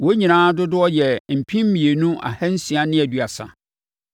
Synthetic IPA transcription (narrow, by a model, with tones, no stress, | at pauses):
wo˦ɲĩ˨nãː˦dʊ˦dʊ˦ɔ˦jɛ˨m̩˨pʰĩ˦m̩˦mĩ˨e˨nũ˦ʔa̰˨hɛ˦n̩˦si˨a˦nɪ̃˦æ˨du˦a˨sa̰˨